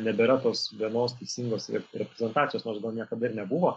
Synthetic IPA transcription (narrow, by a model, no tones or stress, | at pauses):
nʲɛbʲɛɾɐt̪oːsʋʲiɛnoːst̪ʲɛɪsʲiːŋɡoːsʲɾʲɛpʲɾʲɛzʲɛnt̪ɑːtt͡sʲɪjoːsnoːrsɡɐlˠnʲiɛkɐd̪ɐɪɾnʲɛbuʋoː